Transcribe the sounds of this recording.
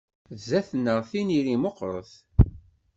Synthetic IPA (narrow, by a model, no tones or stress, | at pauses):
zæθnːəʁθiniɾimoqɾˤə̰θ